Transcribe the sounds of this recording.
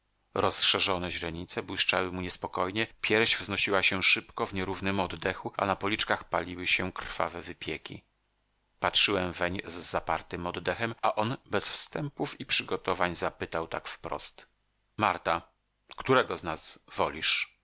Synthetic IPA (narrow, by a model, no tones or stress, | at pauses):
ɾɔsʂɛʐɔnɛʑɾɛɲit̪sɛbwiʂt͡ʂawɘmuɲɛspɔkɔjɲɛpʲjɛɾʑvznɔɕiwaɕɛʂɘpkɔvɲɛɾuvnɘmɔd̪d̪ɛxuʔa̰napɔlʲit͡ʂkaxpalʲiwɘɕɛkɾfa̰vɛvɘpʲjɛkʲḭ | patʂɘwɛmvɛɲzːapaɾt̪ɘmɔd̪d̪ɛxɛmaʔɔnbɛsfst̪ɛmpufipʂɘɡɔt̪ɔvaɲzapɘt̪awt̪a̰kfpɾɔ̰st̪ | maɾt̪a | kt̪uɾɛɡɔznazvɔlʲiʂ